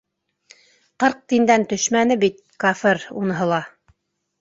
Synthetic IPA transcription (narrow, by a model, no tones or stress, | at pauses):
qɤɾq̚t̪ind̪ænt̪ɵ̆ʃmænɘbit̪̚kofeɾṵnɤ̆ɦɤ̆lˠɑ